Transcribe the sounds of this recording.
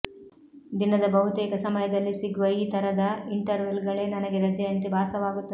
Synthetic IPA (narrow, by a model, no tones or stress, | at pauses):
d̪inɐd̪ɐbɐɦut̪ɛːkɐsɐmɐjɐd̪ɐlːisiɡuʋɐiːt̪ɐɾɐd̪ɐiɳʈɐɾʋelɡɐɭe̞ːnɐnɐɡeɾɐd͡ʒɐjɐnt̪ibʱaːsɐʋaːɡut̪ːɐd̪